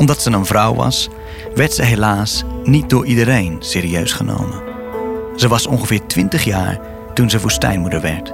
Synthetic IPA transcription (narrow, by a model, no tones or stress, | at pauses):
ɔmdɑtsənənvrɔwʋɑ̰s | ʋɛɹtsəɦelaːsnit̚dʊːɹidəɾejnseːɾiøɥsχəno̰wmən | z̥əʋɑsɔnχəvɪːɹtʋɪntəχja̰ːɹ | tunzəʋustɛ̰jnmudəɹʋɛɹt